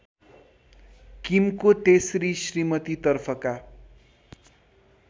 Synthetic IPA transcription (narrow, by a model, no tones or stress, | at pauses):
kimkot̪esrisrimʌt̪it̪ʌrpʰʌka